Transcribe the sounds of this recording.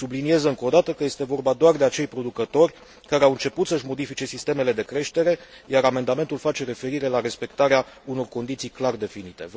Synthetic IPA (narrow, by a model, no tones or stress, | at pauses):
sublinijezəɨŋko̞d̪at̪əkəje̞st̪e̞vo̞rbad̪oard̪e̞at͡ʃe̞jpɾo̞d̪ukət̪o̞rʲ | kaɾeawɨnt͡ʃe̞put̪səɨʃmo̞d̪ifit͡ʃe̞sist̪e̞me̞le̞d̪e̞kɾe̞ʃt̪e̞ɾe̞ | jaɾame̞nd̪ame̞nt̪ulfat͡ʃe̞ɾe̞fe̞ɾiɾe̞laɾe̞spe̞kt̪aɾea | uno̞rko̞nd̪it̪sijklard̪e̞finit̪e̞̰v